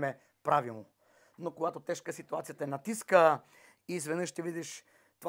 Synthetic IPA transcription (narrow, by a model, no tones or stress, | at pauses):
mɛ | pɾavilˠno | nokoɡat̪ot̪ɛʃkəsit̪uat̪sijət̪əɛnɐt̪iskə | izvɛd̪nɤʃt̪ɛvid̪iʃ | t̪ov